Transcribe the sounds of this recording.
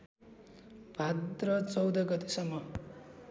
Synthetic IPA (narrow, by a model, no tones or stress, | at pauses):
b̥ʱad̪rʌt͡sʌwd̪ʌɡʌt̪esʌmːʌ